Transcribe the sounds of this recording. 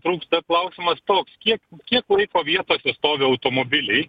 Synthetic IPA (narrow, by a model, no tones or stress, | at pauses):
t̪ɾuːkst̪ɐklˠɐʊsʲɪmɐst̪oːkskʲiɛkkʲiɛklˠɐɪkoːʋʲiɛt̪oːsʲɛst̪oːʋʲɪɐʊt̪oːmoːbʲɪlʲɛɪ